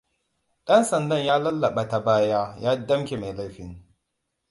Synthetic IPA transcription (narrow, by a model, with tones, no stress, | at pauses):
ɗɐ˦nsɐ˨ndɐ˦ɲjaː˦lɐ˦lːa˨ɓa˨ta˨baː˦jaː˦jaː˦dɐ˦mkʲe˨ma˨jla˦jɸɪ˨ŋ